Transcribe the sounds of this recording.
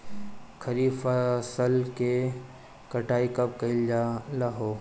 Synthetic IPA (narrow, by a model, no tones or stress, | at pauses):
kʰɐɾiːfasəlke | kɐʈaːikɐp̚kɐld͡ʒalaɦoː